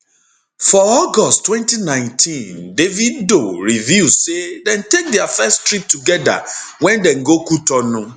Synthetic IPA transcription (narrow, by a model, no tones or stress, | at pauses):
fɔɔɡɔsttwɛ̃ntinãɪ̃ntʰĩndeviddoɹivjusedɛ̃ntek̚dɛafɛstɹip̚tuɡɛda̰wɛ̃ndɛ̃nɡokutɔnũ